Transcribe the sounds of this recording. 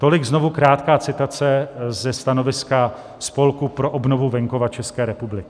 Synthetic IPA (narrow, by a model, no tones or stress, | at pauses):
t̪o̞lɪɡzno̞vukɾaːt̪kaːt͡sɪt̪at͡sɛzɛst̪ano̞vɪska | spo̞lkupɾo̞ʔobnovuvɛŋko̞vat͡ʃɛskɛːɾɛpublɪkɪ